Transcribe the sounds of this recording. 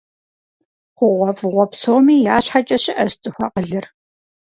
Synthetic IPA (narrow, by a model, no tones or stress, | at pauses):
χʷʊʁʷɔfʁʷɔpsoːmiːjaːɕħat͡ʃʼɐɕɪʔɐzt͡sʼɨxʷɑ̰qəɮɨr